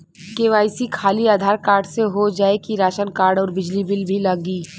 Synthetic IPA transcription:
keːʋaːɪsikʰaːliaːd̪ʱaːɾkaːɾɖseɦod͡ʒaːekiɾaːʃənkaːɾɖɔːɾbɪd͡ʒlibɪlbʱilɐɡiː

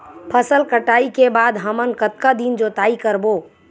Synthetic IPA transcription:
pʰəsəlkəʈaːikebaːd̪ɦəmənkət̪kad̪ind͡ʒot̪aːikəɾbo

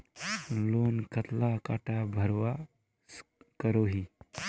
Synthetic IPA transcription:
loːnkət̪lakaːʈabʱəɾʋa | skəɾoɦi

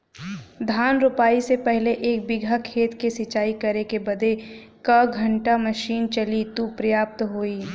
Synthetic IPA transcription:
d̪ʱaːnɾʊpaːisepɛɦleʔeːk̚bɪɡʱakʰeːt̪kesɪt͡ʃaːikɐɾekebɐd̪ʱe | kɐɡʱɐ̃ɳʈamɐʃiːnt͡ʃɐlit̪upɾɐjaːp̚t̪ɦoːiː

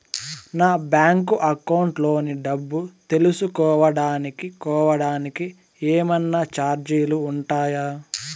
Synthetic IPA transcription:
naːbjaːŋkuʔɐkɐwuɳʈloːniɖɐbːut̪e̞lusukɔːʋɐɽaːnikikɔːʋɐɽaːniki | eːmɐnːat͡ʃaːɾd͡ʒijluːɳʈaːjaː

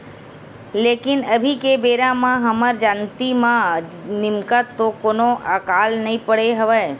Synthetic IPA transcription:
leːkɪnəbʱikebeːɾãmãɦɐməɾd͡ʒaːnt̪imãnɪmkət̪ːokoːnõʔakaːlnɐɦĩpəɽeɦəʋə

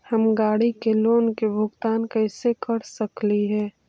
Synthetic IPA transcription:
hɐmɡaːɽikeloːnkebʱʊɡt̪aːnkɛːsekɐɽsəkliɦɛː

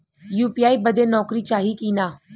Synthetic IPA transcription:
juːpiːaːiːbəd̪eːnɔːkɾiːt͡ʃaːɦiːkiːnaː

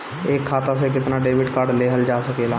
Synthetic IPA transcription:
eːkʰːaːt̪ãs̬ekɪt̪naːɖeːbɪʈkaːɾɖleːɦəld͡ʒaːsəkeːlaː

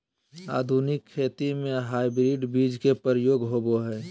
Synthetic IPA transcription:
a̰ːd̪ʱunɪkʰːeːt̪imẽɦaːibɾiɖbiːd͡ʒkepəɾəjoːɡɦoboɦɛː

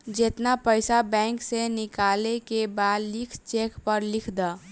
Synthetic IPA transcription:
d͡ʒeːt̪napəɪsabɛ̃ːŋksenɪkaːlekebaːd̪lɪkʰt͡ʃeːkpəɾlɪkʰd̪aː

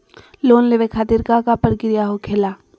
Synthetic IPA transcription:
loːnleʋekʰaːt̪ɪɾkakapəɾkɪɾijaɦokʰeːlaː

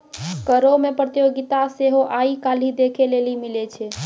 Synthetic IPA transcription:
kəɾomepɾət̪ijoɡit̪aseɦoʔaikalid̪ekʰelelimilɛt͡ʃʰɛ

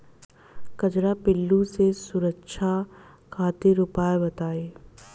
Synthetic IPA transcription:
kɐd͡ʒɾapɪlːusesʊɾəkʃʰa | kʰaːt̪ɪɾʊpaːebɐt̪aːeː

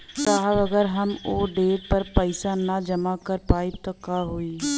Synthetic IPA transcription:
t̪aːɦʋəɡəɾɦəmoːɖeːʈ̚pəɾpəɪsaːnaːd͡ʒəmaːkəɾpaːit̪oːkaːɦoːiː

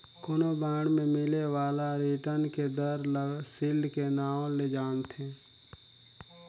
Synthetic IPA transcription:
kʊnobãːɽmẽmɪlewaːlaɾiːʈənked̪əɾləɡsɪlkenãːled͡ʒaːnt̪ʰeː

